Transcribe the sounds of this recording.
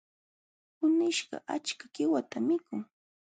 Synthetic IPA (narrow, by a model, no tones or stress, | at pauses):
pʊnɪʃɢɑ̰ʔat͡ʃkaɢɪwat̪amɪkʊŋ